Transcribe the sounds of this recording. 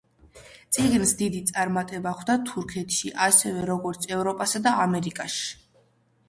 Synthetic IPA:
t̪sʼiɡnsd̪id̪it̪sʼaɾmat̪ʼɛbaχʰd̪at̪ʰuɾkʰɛt̪ʰʃiʔasɛvɛɾɔɡɔɾt̪sʰɛvɾɔpʼasad̪aːmɛɾikʼaʃi̥

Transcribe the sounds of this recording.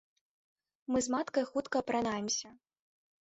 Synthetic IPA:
mɨzmat̪kɐjxut̪kɐpɾanajɛmsʲɐ

